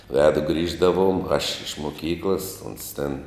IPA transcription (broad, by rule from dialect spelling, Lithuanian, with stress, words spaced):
ˈʋʲæːdʊ ˈɡrʲiːʒdɐʋʊm ɐʃ ɪʃ mʊˈkʲiːklˠɐs ʊns tʲɛn